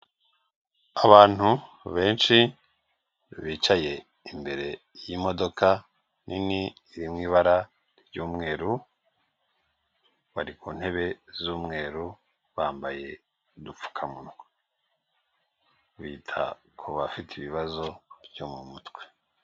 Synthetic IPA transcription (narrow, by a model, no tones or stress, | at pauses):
aβaːn̥hu | βe̞ːnʃi | βiːt͡ʃaje̞ | imbe̞ɾe̞ | jimo̞do̞ka | nʔiniː | ɾimŋiːβaɾa | ɾjuːmŋe̞ːɾu | βaɾikun̥he̞βe̞zuːmŋe̞ːɾu | βaːmbaje̞ | dup͡fu̥kʰamun | βiːtʰa̰ | kʰoβafitʰeiβiβazo̞bjomumutwe̞̥